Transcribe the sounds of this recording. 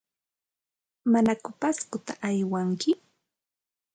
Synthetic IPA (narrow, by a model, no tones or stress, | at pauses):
manakʊpaskʊt̪aʔajwaŋkɪ